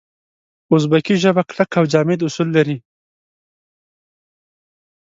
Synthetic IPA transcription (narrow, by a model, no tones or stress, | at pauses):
ʊzbakiʒəbaklakawd͡ʒɑmed̪ʊsulːaɾi